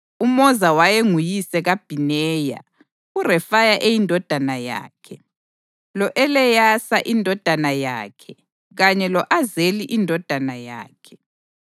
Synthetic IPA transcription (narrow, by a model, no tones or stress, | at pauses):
umɔzawajeŋujisɛɣab̥ʱinɛːja̰ | urɛfajaʔejindʱɔd̥ʱanaja̰ːkʰɛ | lɔʔɛlɛjasaʔindʱɔd̥ʱanaja̰ːkʰɛ | ɣaɲɛlɔʔazeliʔindʱɔd̥ʱanaja̰ːkʰɛ̥